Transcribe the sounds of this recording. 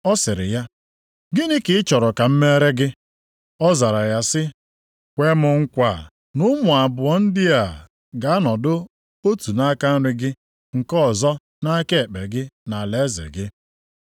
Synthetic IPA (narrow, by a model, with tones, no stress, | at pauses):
ɔ˦sɪ˨ɾɪ̰˨ja˦ | ɡɪ˦nɪ˦kɪ˨ɪ˦t͡ʃɔ˨ɾɔ˨ka˨m̩˦me˦ɾe˦ɡɪ˦ | ɔ˦za˨ɾa˨ja˦sɪ˦ | kʷe˦mʊ˨ŋ̩˦kʷa˨ | nʊ˦mʊ˨a˨bʊ˨ɔ˦n̩˦dɪ˦a˨ | ɡa˨a˦nɔ˨dʊ˦ | o˦tu˨na˦ka˦n̩˦ɾɪ˦ɡɪ˦ | ŋ̩˨kɔ˦˨zɔ˦ | na˦ke˦˨k͡pe˨ɡɪ˦na˨le˨˦zḛ˨ɡɪ˦